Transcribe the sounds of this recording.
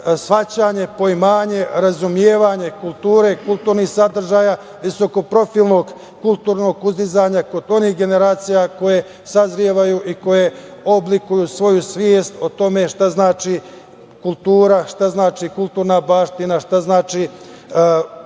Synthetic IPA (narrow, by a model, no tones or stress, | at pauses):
sʋat͡ɕaːɲe̞po̞imaːɲe̞ɾazumjeːʋaɲe̞kulˠt̪uːɾe̞kulˠt̪uːɾnixsad̪r̩ʒaːja | ʋiso̞ko̞pɾo̞filˠno̞ɡ | kulˠt̪uːɾno̞ɡuzd̪izaɲako̞d̪o̞nihɡe̞ne̞ɾaːt̪sijako̞je̞ | sazɾieʋajuʔiko̞jeoblikujusʋo̞jusʋjeːst̪ot̪o̞me̞ʃt̪aznaːt͡ʃi | kulˠt̪uːɾaʃt̪aznaːt͡ʃikulˠt̪uːɾnabaːʃt̪inaʃt̪aznaːt͡ʃi